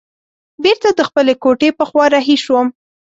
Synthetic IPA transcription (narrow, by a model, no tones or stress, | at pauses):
beɾt̪ad̪əxpəlekoʈepəxwɑɾɑɦiʃwəm